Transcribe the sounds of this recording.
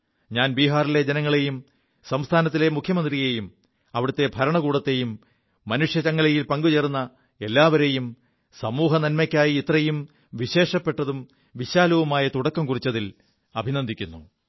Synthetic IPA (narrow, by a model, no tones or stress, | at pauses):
ɲaːnbiːɦaːriled͡ʑenɐŋːɐɭe̞jum | sɐmst̪ʰaːnɐt̪ːile̞mukʰjɐmɐnd̪rije̞jum | ɐʋiɽɐt̪ːe̞bʱɐɾɐɳɐkuːɽɐt̪ːe̞jumː | ɐnuʂjɐt͡ɕɐŋːɐɭejilpɐŋɡut͡ɕerunːɐ | e̞lːaːʋɐɾe̞jum | sɐmuːɦɐnɐnmɐkʲːaːjiːt̪rɐjum | ʋiɕe̞ːʂɐpːe̞ʈːɐðum | ʋiɕaːlɐʋɐmaːjɐt̪uɽɐkːɐmkurit͡ɕːɐðil | ɐbʱinɐnd̪ikʲːunːu